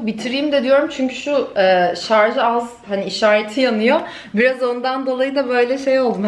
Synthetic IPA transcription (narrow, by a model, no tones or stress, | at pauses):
bit̪ʰiɾiːmd̪ɛd̪ijo̞ɾumt͡ʃʰyɲcʰyʃuɛːʃaɾʒɯaz | haniiʃaːɾet̪ʰijanɯjo | biɾazo̞nd̪and̪o̞lˠajɯd̪abø̞jlʲɛʃe̞jo̞lˠd̪um